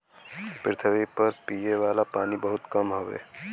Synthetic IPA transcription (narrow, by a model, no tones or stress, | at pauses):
pɾɪt̪ʰəʋipɐɾpiːjeʋaːlapaːnibɐɦʊt̪kɐmɦoʋḛː